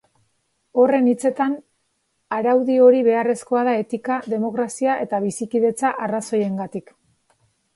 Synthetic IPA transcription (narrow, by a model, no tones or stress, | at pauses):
o̞re̞nit͡se̞t̪an | aɾawðio̞ɾiβe̞are̞sko̞að̞ae̞t̪ikaðe̞mo̞kɾasiaʔe̞t̪aβ̞isikiðe̞t͡saʔaraso̞je̞ŋɡat̪ik